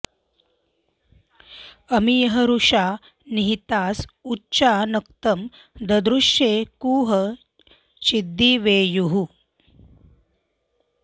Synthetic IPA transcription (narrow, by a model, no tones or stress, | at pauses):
ɐmijɐɦɐɾuʂaː | niɦit̪aːsutːt͡ʃaːnɐk̚t̪ɐm | d̪ɐd̪ɾuʂjeːkuːɦɐ | t͡ʃid̪ʱːiʋeːjuɦu